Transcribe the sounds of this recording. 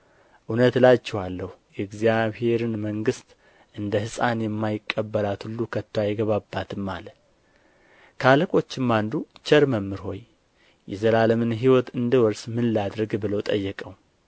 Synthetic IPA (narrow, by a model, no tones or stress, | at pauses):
ʔunət̪lat͡ʃːɛhalːəhujɛɡzijaβhe̞ɾɨnməŋɡɨst̪ | ʔɨnd̪əhɨsʼanjɛmːajɪkʼːəbːəlat̪hulːukʰət̪ːoajɡəβabːat̪ʰɨmːalə | kʰaləkʼo̞t͡ʃːɪmːand̪ut͡ʃʰəɾməmːɨɾho̞̰j | jɛzəlaləmɨnɦiwɔt̪ɨnd̪əwɔɾsmɨnlad̪ɾəɡbɨləwt̪ʼəjːɛkʼəw